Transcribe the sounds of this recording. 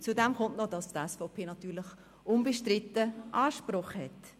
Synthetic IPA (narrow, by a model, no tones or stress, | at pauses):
t͡sudɛmχʊntnɔd̥ɑstɛsfɔʊpʰeːnɑtyːɾlɪχ | ʊnbəʃtɾɪtəʔɑːʃprʊχhɛt